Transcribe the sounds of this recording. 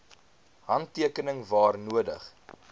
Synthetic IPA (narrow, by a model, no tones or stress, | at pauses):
ɦɐntːiəkənəŋvɑːrnuədə̰χ